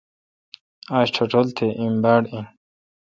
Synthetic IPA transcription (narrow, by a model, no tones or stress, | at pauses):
aːɕʈ͡ʂʰɐʈʰolt̪ʰeʔimbaːɽĩn